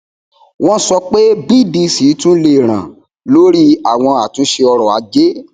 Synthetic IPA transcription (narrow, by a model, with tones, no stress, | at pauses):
w̃ɔ̃˦sɔ˧k͡pe˦bi˦˨bi˧si˨˦tũ˦le˦˨ɾ̃ã̰˨ | lo˦ɾi˦a˨w̃ɔ̃˧a˨tũ˨˦ʃe˧ɔ˧ɾɔ˨a̰˨˧˦d͡ʒe˦